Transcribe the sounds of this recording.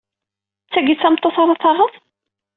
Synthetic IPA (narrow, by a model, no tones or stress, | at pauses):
t͡sːæɡit͡sːæmt̪ˤːoθɑɾˤɑθɑʁəθ